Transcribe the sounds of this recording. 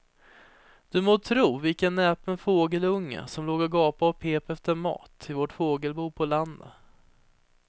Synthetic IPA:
d̪̥ɵmoːt̪ʰɾuːvɪlkənːɛpənfoːɡəlɵŋːə̰sɔmloːɡɔɡɑːpaɔpʰeːpɛft̪əɾmɑ̰ːt̪ʰɪvoʈfoːɡəlbuːpʰɔland̪ə̰

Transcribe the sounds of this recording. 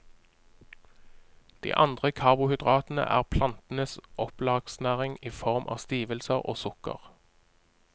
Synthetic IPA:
d̪̥ḭːʔɑnd̪ʁəkʰɑʁbʊhʏd̪ʁɑːt̪n̩ə̰ʔæ̰ːʁpʰlɑnt̪n̩əsʔɔplɑːɡ̥snæːʁɪŋiːfɔʁmʔɑ̰ːst̪iːʋəlsəʁo̰ːsʊkə̰ʁ

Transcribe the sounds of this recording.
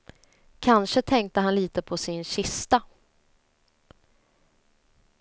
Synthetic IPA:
kʰanʂət̪ʰɛŋk̚t̪əɦanliːt̪əpʰɔsɪnɕɪst̪a

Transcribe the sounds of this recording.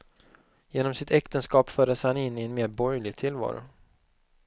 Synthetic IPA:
jeːnɔmsɪt̪ɛkt̪ənskɑːpfœːɖəshanɪnːɪɛnmeːd̪̚bɔɾjɭɪɡ̚t̪ʰɪlvɑ̰ːɾʊ̰

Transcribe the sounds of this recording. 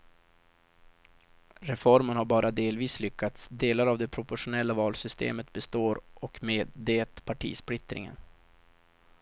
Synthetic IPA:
ɾɛfɔɾmənhaɾbɑːɾʔad̪eːlviːslʏkʰːat̪sd̪eːlaɾavd̪ɛpʰɾʊpʊʂʊnɛlːavɑːlsʏst̪ḛːmət̪̚bɛst̪oːɾʔɔkmeːd̪eːt̪pʰaʈʰḭːsplɪt̪ɾɪ̰ŋə̰n

